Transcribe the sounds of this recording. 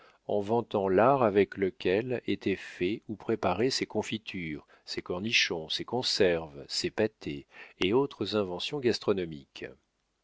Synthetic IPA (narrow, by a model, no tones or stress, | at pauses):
ɑ̰̃vɑ̃t̪ɑ̃laʁavɛkləkʲɛlet̪ɛfɛupχepaʁesekɔ̃fit̪ʰyʁ | sekɔʁniʃɔ̃sekɔ̃sɛʁvsepat̪ʰḛːot̪χəzɛ̃vɑ̃sjɔ̃ɡast̪χɔnɔmḭk